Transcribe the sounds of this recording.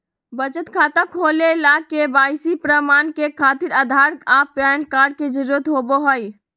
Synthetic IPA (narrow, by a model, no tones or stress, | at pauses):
bət͡ʃət̪kʰaːt̪akʰolelakebaːjsipɾəmankekʰaːt̪iɾəd̪ʱaɾkapjankaːɾɖked͡ʒəɾuət̪ɦoboɦoj